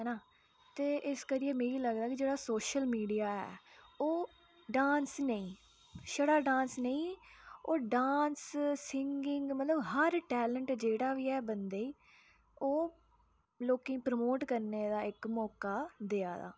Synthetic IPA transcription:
ɦɛːnaː | t̪eːʔɪskəɾijeːmeːiːləɡd̪aːkid͡ʒeːɽaːsoːʃəlmiːɖijaːɛ̰ːoː | ɖãːnsnəĩː | ʃəɽaːɖãːnsnəĩːoːɖãːnssɪŋɡɪŋɡmət̪ləbɦəɾʈɛːləɳʈd͡ʒeːɽaːʋiːɛːbənd̪eːiː | oː | loːkĩːpɾəmoːʈkəɾneːd̪aːɪkmɔːkaːd̪eːaːd̪a̰ː

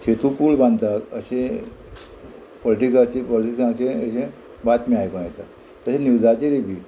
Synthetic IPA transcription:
ɕet̪upuːlbãnd̪t̪ak̪əɕẽ | pɔliʈikat͡ɕepɔliʈikãt͡ɕẽəɕẽ | bat̪miajkãt̪a | t̪əɕeniwd͡zat͡ɕeɾebʱiː

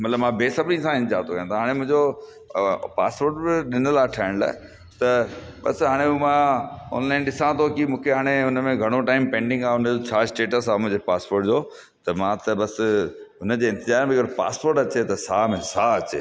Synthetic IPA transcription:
mɐt̪ləbmãbeːsɐbnĩsãɪ̃nd͡ʑa̰ːɾt̪ʰokɐjãt̪ʰaɦaːɽ̃ẽmʊ̃ɦɪ̃ɲd͡ʑo | pa̰ːspoːɾʈbɪɗɪnəlaːʈʰaːɪɽ̃la̰ː | t̪ɐbɐ̰sɦaːɽ̃eumãɔ̰ːnlaːɪnɗɪsãt̪ʰokɪmũːkʰeɦaːɽ̃eʊnəmẽɡʱɐɽ̃oʈaːɪmpẽːɳɖɪ̃ŋɡaːʊnəd͡ʑot͡ɕʰaːɪsʈeːʈəsaːmʊ̃ɦɪ̃ɲd͡ʑepaːspoːɾʈd͡ʑoː | t̪ɐmãt̪ɐbɐsɦʊnə̆d͡ʑeːɪ̃nt̪ɪzaːɾmẽɐɡəɾpa̰ːspoːɾʈɐt͡ɕet̪ɐsaːmẽsaɐt͡ɕe

